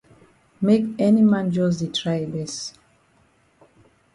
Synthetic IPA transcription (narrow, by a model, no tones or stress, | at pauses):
mekɛnimãnd͡ʒɔz̬ditʰɹajebɛs